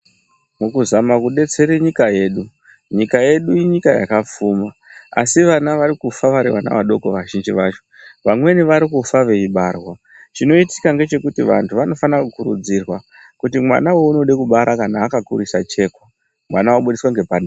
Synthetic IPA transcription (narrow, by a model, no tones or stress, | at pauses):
mukuzamakuɗe̞t͡se̞ɾeɲikaje̞ːɗu | ɲikaje̞ɗuiɲikaja̰kap͡fuːma | a̰siʋanaʋaɾikufaʋaɾiwana̰ʋaɗo̞koʋaʒind͡ʒiʋaːt͡ʃoʋamwe̞niʋaɾikufaʋe̞iɓarwa | t͡ʃino̞iti̥kaŋɡe̞t͡ʃe̞kutiʋa̰ntʰuʋano̞fanakukuɾṵd͡zirwa | kutimwa̰nawo̞uno̞ɗekuɓaɾʔakanaːkakuɾisat͡ʃe̞ːko | mwanawoɓuɗiswaŋɡe̞pana